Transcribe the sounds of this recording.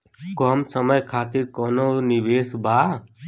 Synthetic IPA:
kɔːmsəməjkʰaːt̪ɪɾkɔːnoːnɪʋeːsbaː

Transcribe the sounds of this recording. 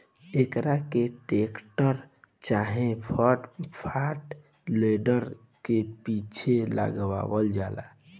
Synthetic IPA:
ekɾakeʈekʈəɾt͡ʃaɦẽpʰəʈpʰaʈ | leɖəɾ | kepit͡ʃʰelə̰ɡwa̰bəld͡ʒala̰

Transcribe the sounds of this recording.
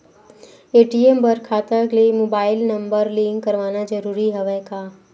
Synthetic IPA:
eːʈiembəɾkʰaːt̪əkləimoːbaːɪlnɐ̃mbəɾlĩŋɡɐɾʋaːnad͡ʒəɾuːɾiɦɛʋɛkaː

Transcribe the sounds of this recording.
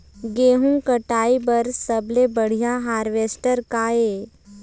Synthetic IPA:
ɡeːɦũkəʈaːibɐɾsːəblebəɽ̤ijaɦaːɾʋeːsʈəɾkaːe

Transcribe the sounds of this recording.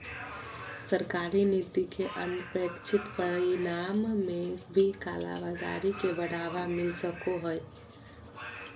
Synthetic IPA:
səɾkaːɾinit̪ikeʔənʊpekt͡ʃʰɪt̪pəɽinamːebʱika̰ːla̰bad͡ʒa̰ɾikebəɽ̤aʋamɪlsəkoɦəj

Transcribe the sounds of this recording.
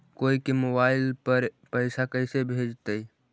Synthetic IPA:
koikemobaɪlpəɾpəɪsakəɪsebʱed͡ʒt̪əj

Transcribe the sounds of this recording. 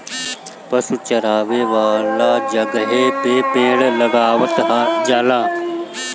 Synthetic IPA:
pɐsut͡ʃɐɾaːʋeːʋaːlaːd͡ʒɐɡɦeːpeːpeːɽləɡaːʋət̪ɦad͡ʒaːlaː

